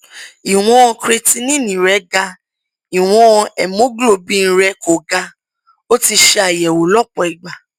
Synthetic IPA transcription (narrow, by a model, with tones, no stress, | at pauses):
i˨w̃ɔ̃˧kɾe˧ti˧nĩ˦˨nĩ˨ɾɛ˨˦ɡa˧ | i˨w̃ɔ̃˧ɛ˨mõ˨˦ɡlo˦˨bĩ˦˧n̩˦ɾɛ˧ko˨ɡa˧ | o˦ti˧ʃɛ˧a˨jɛ˨wo˨lɔ˦˨k͡pɔ˨i˨ɡ͡ba˨